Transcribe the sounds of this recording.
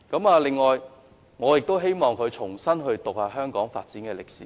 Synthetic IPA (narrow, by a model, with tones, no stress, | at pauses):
kɐ˨˥maː˨˧lɪ˨ŋːɔː˨j | ŋɔː˨˧jɪ˨k̚t̪o˥wɦe˥jmɔː˨ŋkʰɵ˨˧ɥt͡ʃʰʊ˨˩ŋsɐ˥nɦɵ˧ɥt̪ʊ˨k̚haː˨˧ɦœː˥ŋkɔː˨˥ŋfa̰ː˧t̚t͡siː˨˥nkɛː˧lɪ˨k̚siː˨˦